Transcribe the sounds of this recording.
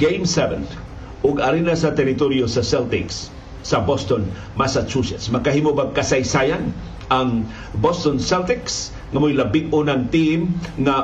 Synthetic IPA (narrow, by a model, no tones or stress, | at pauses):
ɡejmsɛvɛ̰̃n | ʔʊɡaɾinasat̪ɛɾɪt̪oɾjosasɛlt̪ɪksː | abost̪on | masat͡ʃusɛt̪smakaɦimobaɡ̚kasajsajan | aŋ | bost̪onsɛlt̪ɪks | ŋamojlabɪɡ̚ʊnaŋt̪imŋa